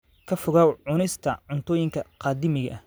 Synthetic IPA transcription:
kʰɐfʊɣaːwʕʊnɪst̪ʰɐʕʊnt̪ʰɔːjɪŋkʰɐqɑːd̪ɪmɪɣɐ̰ʔɐ

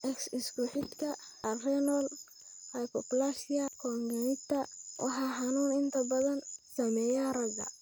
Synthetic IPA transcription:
ʔɛksɪskʊħɪd̪kʰɐ | ɐrɛnɔl | hajkʰɔplasɪɐkʰɔːŋɡɐnɪt̪ʰɐwʔɑ̰ħɑːħɑnuːnɪnt̪ʰɐbɐðɐnsɐmɛːjɐrɐɡɐ̰

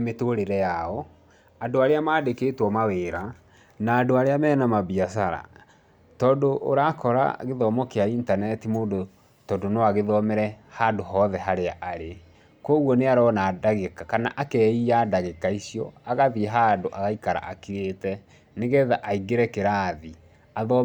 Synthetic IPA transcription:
metoːɾeɾɛjaɔ | adoaɾeamaːdekeːtwɔmaweːɾa | naːdoaɾeamɛːnamabiasaɾa̰ | tɔːndoʔoɾakɔɾa̰ɣeðɔmɔkeaintanɛtimoːdo | tɔdonoaɣeðɔmɛɾɛhadoɦɔðɛɦaɾeaʔaɾe | kɔɣwɔneaɾɔnaːdaɣekakana̰ʔakɛiadaɣekaisiɔaɣaðiɦaːndoʔaɣaikaɾa̰ʔakiɾeːtɛ | neɣɛðaʔaiɡeɾɛkeɾaði | aðɔ

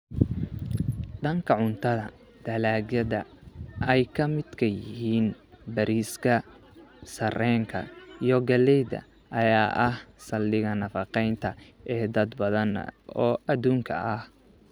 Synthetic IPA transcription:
ɖɐŋkʰɐʕʊnt̪ʰɐðɐ | d̪̥ɐlaːɡjɐðɐʔɛjkʰɐmɪd̪kʰɐjɪɦiːn | bɐɾʔiːskʰɐ | sɐrɛːŋkʰɐ̰ijɞɡɐlɛjd̪ɐ̰ | ʔɐjaːʔɐhsɐlːɪɣɐnɐfɑqɛjnt̪ʰɐɛːd̪ɐd̪bɐðɐn̰ɔːʔɐðuːŋkʰɐʔɐh

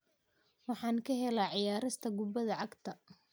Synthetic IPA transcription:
wɑħɑːnkʰɐɦɛlaːʕɪjaːɾɪst̪ʰɐɡʊbɐðɐʕɑɡt̪ʰɐ

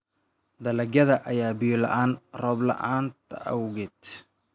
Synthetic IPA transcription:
d̪ɐlɐɡɐðɐʔɐjaːbijlɐ̰ʔaːnrɔːblɐ̰ʔaːnt̪ʰɐʔɐwɣɪd̪

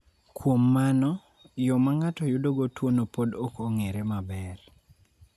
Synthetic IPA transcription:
kwomːanɔ | jɔmaŋatɔjʊdoɡotwonopodokoŋeɾemabɛr

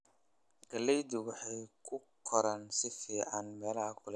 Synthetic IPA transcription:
ɡɐlɛjd̪ʊwʊħɑjkʰʊkʰɔɾɐnsɪfiːʕanmɛːlɐhɐkʰʊlɛ

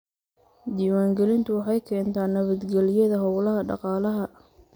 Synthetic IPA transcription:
d̪iːwaːŋɡɛlɪnt̪ʰʊwɑħɑjkʰɛːnt̪ʰaːnːɐβɐd̪ɡɛlɪjɐðɐɦɔwlɐɦɐɖɑ̰qɑːlɐɦɐ

